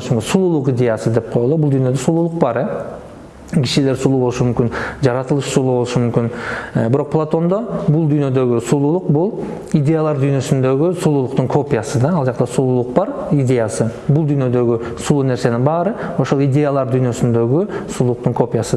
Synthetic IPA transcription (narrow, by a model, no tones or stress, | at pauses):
ʃɪŋɡʲesulˠulˠəqijd̪ʲe̞jasəd̪e̞p̚qʰo̞jlˠəbʊlˠd̪yjne̞d̪esulˠulˠəq̚bɑɾ | kʲʰɪ̥ʃele̞ɾsulˠubolˠəʃəmʏmkʲɪnʒɑɾɑt̪əlˠəʃsulˠubolˠʃəmʏmkʲɪnbɪɾo̞q̚pʰlˠat̪o̞nd̪obʊlˠd̪ʏjne̞d̪e̞ɡʲɪsulˠulˠəq̚bʊlˠ | ijd̪e̞jalˠɑɾd̪ʏjne̞sɪnd̪e̞ɡʲɪsulˠulˠəqt̪əɴkʰo̞pʲijasəd̪ɑɑlˠʒɑqt̪ɑsulˠulˠəq̚bɑɾid̪e̞jasəbʊlˠd̪ʏjne̞d̪e̞ɡʲɪ | sulˠuneɾse̞nɪŋbɑɾəwoʃolˠijd̪ʲe̞jalˠɑɾd̪ʏjne̞sɪnd̪e̞ɡʲɪsulˠulˠəq̚t̪əɴkʰo̞pʲijasə